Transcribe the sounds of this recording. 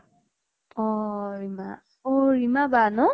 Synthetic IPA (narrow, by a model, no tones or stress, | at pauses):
ɔɹima | ɔɹimabanʊ